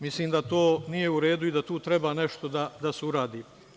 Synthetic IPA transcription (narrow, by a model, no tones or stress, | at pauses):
misliːmd̪at̪oːnijeuɾe̞ːd̪uid̪at̪uːt̪ɾe̞baːne̞ʃt̪o̞d̪ad̪aseuɾaːd̪iː